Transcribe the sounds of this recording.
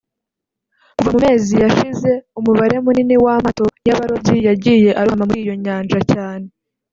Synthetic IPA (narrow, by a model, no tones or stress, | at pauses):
kuvamume̞ːzijaʃize̞umuβaɾe̞muniniwamato̞jaβaɾo̞bɟijaɾɟiːje̞ʔaɾoamamuɾiːjo̞ɲaːnd͡ʒacaːne̞